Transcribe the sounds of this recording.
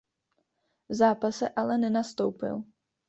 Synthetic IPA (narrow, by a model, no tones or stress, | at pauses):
vzaːpasɛʔalɛnɛnast̪owpɪ̰l